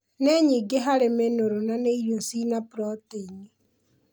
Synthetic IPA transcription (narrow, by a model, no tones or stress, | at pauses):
nɛɲiɡeɦaɾemenoɾonaneiɾjosinapɾɔteiɲi